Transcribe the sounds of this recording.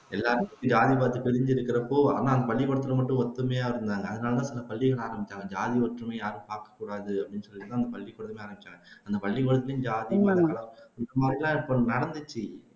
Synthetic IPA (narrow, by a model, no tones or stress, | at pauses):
ɛlːaːɾɯmkːɯ̃d͡ʒaːðipaːɾt̪ːɯpɪɾɪɲd͡ʒɪɾɯkːɪɾɐpːoːa̰ːnaːɐnd̪ɐpɐɭːikɔɽɐt̪ːɪlɐmɐʈːʊ̃ɔt̪ːɯmeːaːɪɾɯnd̪aːŋɡɐɐðɯnaːlɐt̪̬ãːsɪlɐpɐɭːɪɣɐɭaːɾɐmbɪt͡ʃːaːŋɡɐd͡ʒaːðiɔʈɾɐmeːjaːɾɯ̃mpaːɾkɐ̥kːuːɽaːðɯɐpɐɽɪnːɯsɔlːɪɯt̪ãːnd̪ɐpɐɭːikːʊɽɐðɐmeːaːɾɐmbɪt͡ʃːaːŋɡɐɐnd̪ɐpɐɭːikɔɽɐt̪ːɪlɯ̃d͡ʒaːðipaːalɐɪnɐmaːd̪ɾɪlãːɪpːonɐɽɐnd̪ɯt͡ʃːi